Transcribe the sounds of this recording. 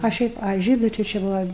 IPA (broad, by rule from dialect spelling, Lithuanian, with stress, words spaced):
ɐ ˈʃʲɛɪp ɐ ˈʒʲiːdʊ tɐɪ t͡ʃʲɪ ˈbʊʋɐ